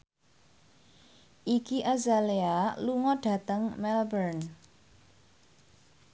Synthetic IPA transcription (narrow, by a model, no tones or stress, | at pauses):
ʔikiʔazalealuŋɔɖ̥ä̤t̪əŋmɛlbərn